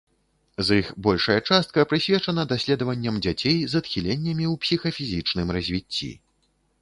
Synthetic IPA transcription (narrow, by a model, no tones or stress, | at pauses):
zixbɔlʲʂɐjɐt͡ʂast̪̚kɐpɾɨsʲvʲɛt͡ʂɐnɐd̪asʲlʲɛd̪ɐvɐnʲːɐmd͡zʲat͡sʲejzɐt̪xʲilʲenʲːɐmʲiwpsʲixɐfʲizʲit͡ʂnɨmrɐzʲvʲit͡sʲːḭ